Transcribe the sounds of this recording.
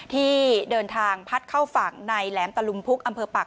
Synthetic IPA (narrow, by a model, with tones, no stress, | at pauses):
t̪ʰiː˥˩dɤː˧nt̪ʰaː˧ŋpʰa˦˥t̪̚kʰa˥˩wfa˨˩ŋna˧jlɛː˩˦mt̪a˧lu˧mpʰu˦˥k̚ʔa˧mpʰɤː˧pa˨˩